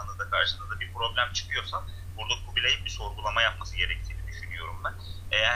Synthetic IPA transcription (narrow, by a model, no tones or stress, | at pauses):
anɯd̪akʰaɾʃɯmɯzd̪abiɾpɾo̞blʲæmt͡ʃʰɯ̥kʰɯjo̞ɾsan | buɾd̪akʰubilʲejinbiso̞ɾɡulˠamajap̚masɯɟe̞ɾɛc̚t̪ʰiːnid̪yʃynijo̞ɾumd̪a | ejæ